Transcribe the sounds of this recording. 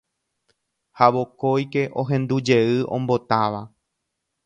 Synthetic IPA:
haʋo̞ko̞jke̞ʔo̞ɦẽ̞nd̪ud͡ʒe̞ɨʔõ̞̰mbo̞t̪aʋa

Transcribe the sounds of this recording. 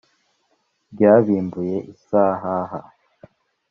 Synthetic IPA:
bɟaːβiːmbuje̞ʔisaːɦaɦa̰

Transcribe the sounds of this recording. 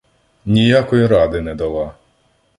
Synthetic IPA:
nʲijakɔjiɾɑd̪ɪnɛd̪ɐlˠɑ

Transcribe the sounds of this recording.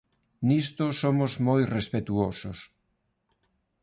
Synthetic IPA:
nist̪osomʊzmojrespet̪uosos

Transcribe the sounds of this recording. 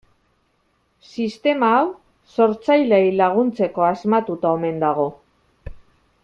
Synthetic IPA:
sist̪e̞maːw | so̞ɾt͡sajlejlaɣunt͡se̞ko̞azmat̪ut̪ao̞me̞nd̪aɣ̞o̞

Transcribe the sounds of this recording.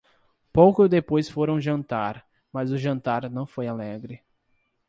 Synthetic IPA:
powkʊd̪epojsfoɾɐ̃w̃ʒɐ̃nt̪aɾ | mazʊʒɐ̃nt̪aɾnɐ̃w̃fojalɛɡɾɪ

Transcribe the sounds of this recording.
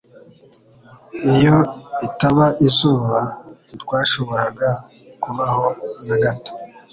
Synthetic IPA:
ijoitaβaʔizuːβatɡwaːʃo̞βo̞ɾaɡa | kuβahonaɡato̥

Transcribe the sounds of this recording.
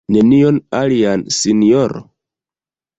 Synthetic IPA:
nenijonaliansinijoɾo̰

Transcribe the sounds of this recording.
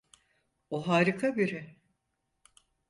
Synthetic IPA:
oɦaːɾikʰabiɾɪ

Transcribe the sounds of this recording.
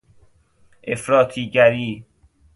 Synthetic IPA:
ʔefɾɒːt̪ʰiːɟæɾiː

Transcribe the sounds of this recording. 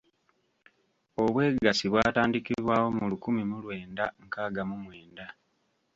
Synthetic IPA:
o̞βwe̞ːɡasiβwaːtaːndikiβwaːwo̞mulukumimulwe̞ːndaŋkaːɡamumwe̞ːnda

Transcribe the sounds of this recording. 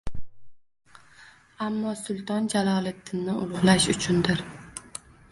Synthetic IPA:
amːɒsʊlˠt̪ʰɒnd͡ʒalˠɒlˠɪd̪ʰɪnːɪʊlˠʊʁlˠaʃʊt͡ʃʰʊnd̪ɪɾ

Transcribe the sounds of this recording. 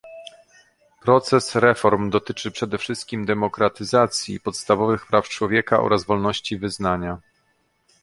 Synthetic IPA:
pɾɔt̪sɛsɾɛfɔɾmd̪ɔt̪ɘt͡ʂɘpʂɛd̪ɛfʂɘst̪̚kʲimd̪ɛmɔkɾat̪ɘzat̪sʲjḭpɔt̪st̪avɔvɘxpɾʔaft͡ʂwɔvʲjɛkaʔɔ̰ɾazvɔlnɔɕt͡ɕivɘznaɲa

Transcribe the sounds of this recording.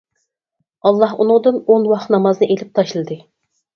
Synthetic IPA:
ɑlˠːɑɦunɨʊŋd̪ɨnonwɑχnɑmɑznɨʔelɪp̚t̪ʰɑʃlˠɨd̪ɨ

